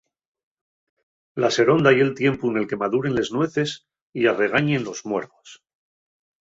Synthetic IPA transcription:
lase̞ɾo̞nd̪aje̞lt̪je̞mpuene̞lke̞maðuɾe̞nle̞znwe̞θe̞s | iare̞ɣaɲe̞nlo̞zmweɾðo̞s

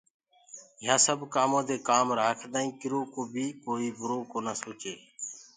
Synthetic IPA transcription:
ɪjãːsəbkaːmãːd̪eːkaːmɾaːkʰd̪ãːĩːkɪɾoːkoːbʱiːkoːiːbʱʊɾoːkoːnaːsoːt͡ʃeː

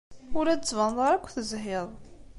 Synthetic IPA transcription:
ʊɾæət͡sːvɑnðˤɑɾækʷːθəzɦɪðˤ

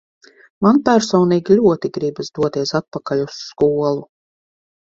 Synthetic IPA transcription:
manpʲæɾsɔːniːɡʲilʲuɔt̪iɡɾibsd̪uɔt̪iɛsat̪̚pakalʲusːkuɔlˠu

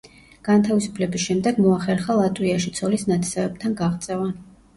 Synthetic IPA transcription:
ɡ̥ant̪ʰavisu̥pʰlɛbisʃɛmd̪ɛɡmɔaχɛɾχalˠat̪ʼwiaʃit̪sʰɔlisnat̪ʰsɛvɛb̚t̪ʰanɡaʁt̪sʼɛvan

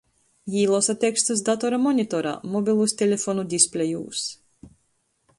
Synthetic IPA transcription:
jiːlˠɔsat̪ʲːekst̪us̬d̪at̪ɔɾamɔnʲit̪ɔɾa̰ːmɔbʲilˠusʲt̪ʲelʲefɔnud̪ʲisplʲejṵːs

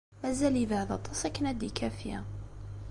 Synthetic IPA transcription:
mæzæliəvəʕðɑt̪ˤʰːɑsˤækːənæd̪ikʰæfjæ̰

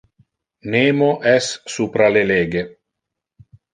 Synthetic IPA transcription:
neːmoʔɛsːuːpɾaleleːɡe

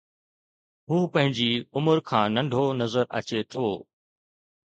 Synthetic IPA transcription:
ɦuːpɐ̃ɦɪ̃ɲd͡ʑiʊməɾkʰãːnɐ̃ɳɖʱonɐzəɾɐ̰t͡ɕet̪ʰoː

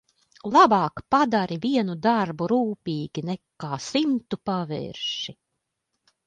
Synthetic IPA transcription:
lˠabɑːkpad̪aɾiviɛnud̪aɾbuɾuːpʲiːɡʲinɛkːaːsimt̪upavɛ̰ɾʃi

